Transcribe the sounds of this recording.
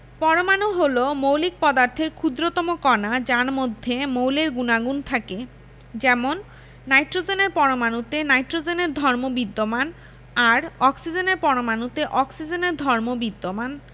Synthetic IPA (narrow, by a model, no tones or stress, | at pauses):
pɔɾomanuɦolomowlik̚pɔd̪aɾt̪ʰeɾkʰud̪ɾot̪ɔmokɔnad͡ʑaɾmod̪ʱːemowleɾɡunaɡunt̪ʰake | d͡ʑɛmonː | ajʈɾod͡ʑeneɾpɔɾomanut̪enajʈɾod͡ʑeneɾd̪ʱɔɾmobid̪ːoman | aɾɔksid͡ʑeneɾpɔɾomanut̪eʔɔksid͡ʑeneɾd̪ʱɔɾmobid̪ːoman